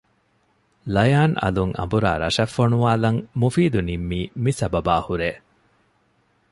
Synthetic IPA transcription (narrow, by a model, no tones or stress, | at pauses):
lɐjaːnɐ̰luŋʔɐ̰mbuɾa̰ːɾɐ̰ʃɐfːoɳuʋaːlɐŋmufiːd̪unimːiːmisɐbɐbaːhuɾeː